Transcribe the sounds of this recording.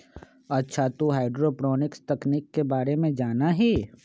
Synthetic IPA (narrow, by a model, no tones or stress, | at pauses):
ɐtːʃʰat̪oɦaːɪɖɾoːpɾɔːnɪkst̪ɐkniːkːebaːɾemẽd͡ʒaːnaɦɛː